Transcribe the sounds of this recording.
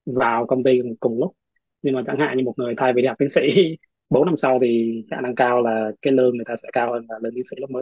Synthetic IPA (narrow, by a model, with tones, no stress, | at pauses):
vaː˨˩wkə˧wŋ͡mɓi˧kʊ˨˩ŋ͡mlʊ˦˥k͡p̚ | ɲɨ˧ŋmaː˨˩t͡ɕa̰ː˧˥ŋha̰ː˧˨ɲɨ˧mo˨˩t̚ŋɨ˨˩əjt̪ʰaː˧jvi˧ha˨˩t̪i˨˦sḭ˧˥ | ɓo˨˦na˧msa˧wt̪ʰi˨˩t͡ɕa̰ː˧˨na˧ŋkaː˧wlaː˨˩kaː˨˦jləː˧nŋɨ˨˩əjt̪aː˧sɛ̰˧˥kaː˧whəː˧nvaː˨˩ləː˧nt̪i˨˦sḭ˧˥˦lk͡p̚məː˨˦j